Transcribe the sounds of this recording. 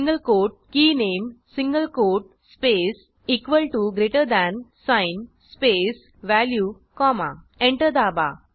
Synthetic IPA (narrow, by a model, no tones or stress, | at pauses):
ŋɡəlkoʈ̚kiːnemsĩŋɡəlkoʈ̚ | spes | ikʋəlʈuɡɾeʈəɾd̪æ̃nsãjn | spes | ʋælju | kɔma̰ | ẽɳʈəɾd̪aba̰